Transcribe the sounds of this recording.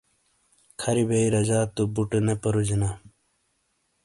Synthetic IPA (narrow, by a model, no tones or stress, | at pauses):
kʰɐɾibeiɾɐd͡ʑaːt̪ubuʈenepɐɾud͡ʑina